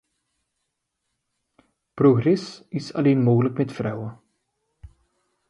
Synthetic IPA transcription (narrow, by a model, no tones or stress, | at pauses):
proɣrɛsɪsɑ̰leːnmoːɣələkmɛtfrœwə